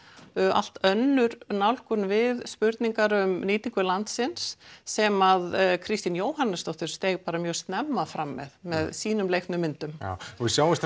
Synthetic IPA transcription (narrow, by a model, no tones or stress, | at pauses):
a̰l̥t̪œnːʏɾnawlkʏnvɪðspʏɾt̪niŋkaɾʏmniːt̪iŋkʏlant̪sɪnsːɛmaðkʰɾist̪injoːwhanːɪst̪ɔht̪ʏɾ̥st̪ejɣpaːɾamjœːɣst̪nɛmːaðfɾamːɛ̰ðmɛðsiːnʏmlejht̪nʏmːɪnt̪ʏmja̰vɪsjaːwɪst̪